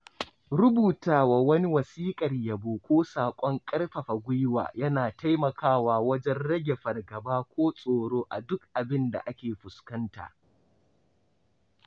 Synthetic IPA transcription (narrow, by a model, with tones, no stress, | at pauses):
ɽʊ˦buː˨taː˨waː˨wɐ˦ni˦wɐ˨siː˦kʼɐ˨rja˨boː˨kʷoː˦saː˨kʷʼɔ˦ŋkʼɐ˦rɸɐ˨ɸa˨ɡʷʊ˦jwa̰ː˨jɐ˦naː˨ta˦jmɐ˨kʰaː˦waː˨wɐ˦d͡ʒɛ˦nɽɐ˦ɡʲe˨ɸɐ˨rɡɐ˨baː˦kʷoː˦sʼoː˨ɽoː˦ʔa˨dʊ˦kʔa˨bɪ˦nda̰˨ʔa˦kʲeː˨ɸʊ˨skɐ˦nta̰ː˨ʔ